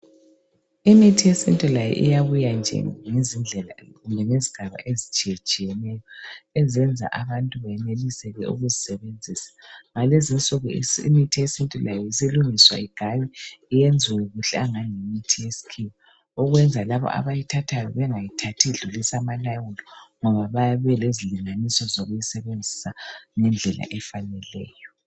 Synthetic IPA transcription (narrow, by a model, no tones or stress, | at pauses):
imitʰijesḭntʼɔlajɛ̰ʔḭjaβujand͡ʒʱɛ̰ŋezind͡ɮʱɛla̰ɣumbʱɛŋeziɡ̥ʱaβa̰ʔezit͡ʃʼijɛt͡ʃʼijɛnɛjɔɛzɛnd͡zʱa̰ʔaβantʼuβɛnelisɛɣɛʔṵɣuzisɛβend͡zʱiːsḁŋalezint͡sʼuɣɔḭmitʰijesintʼilajɔisiluŋiswa̰iɡ̥ʱajɛijend͡zʱiwɛɣuɬɛaŋaŋemitʰijesi̥kʰiwɔ | ɔɣwɛnd͡zʱalaβɔ̰ʔa̰βajitʰatʰajɔ̰βɛŋajitʰatʰiɮulisamalawulɔŋɔβaβajaβɛleziliŋanisɔzɔɣujisɛβend͡zʱisaŋɛnd͡ɮʱɛla̰ʔɛfanɛlɛ̰ːjɔ